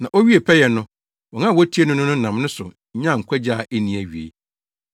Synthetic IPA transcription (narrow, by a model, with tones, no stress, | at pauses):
nã˨ʔo˦ɥi˦e˨pʰɛ˦jɛ˨nʊ̃˦ | wɔ̃˨nã˦˨wɔ˦tʰi˦e˦nʊ̃˦nʊ̃˦nʊ̃˦n̩˨nã˨m˦nʊ̃˦sʊ˨ | ɲ̩˦ɲã˦˨ŋ̩˨kʰʷɛ˦d͡ʑaː˦˨ʔe˦nĩ˨æ˨ɥi˨ḛ˨